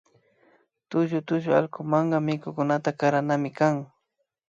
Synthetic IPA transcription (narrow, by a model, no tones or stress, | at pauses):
t̪ʊʒʊt̪ʊʒʊa̰lkʊmaɴɢɑmɪkʊkʊnat̪akaɾanamɪkaŋ